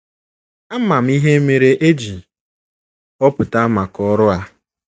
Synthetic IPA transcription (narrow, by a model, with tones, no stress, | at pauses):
a˦ma˨m̩˦i˦ɦe˦e˦me˨ɾe˦ʔe˦d͡ʒi˨ | ɔ˦pʊ˨ta˦a˦ma˨kɔ˦ɾʊ˦a˦